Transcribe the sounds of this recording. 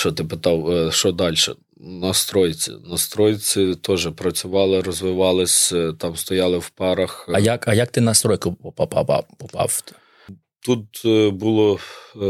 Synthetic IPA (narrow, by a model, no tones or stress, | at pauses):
ʃt͡ʃɔt̪ɪpɪt̪ɑwʃt͡ʃɔd̪ɑlʲʃɛ̰ | nɐst̪ɾɔjt͡sʲɪ̰nɐst̪ɾɔjt͡sʲɪt̪ɔʒɛpɾɐt͡sʲʊʋɑlˠɪɾɔzʋɪʋɑlˠɪsʲt̪ɑmst̪ɔjɑlˠɪwpɑɾɐxɐjakɐjak̚t̪ɪnɐst̪ɾɔjkʊpɔpɐpɑ̰pɑ̰pɔpɑ̰wt̪ | t̪ut̪̚bulˠɔ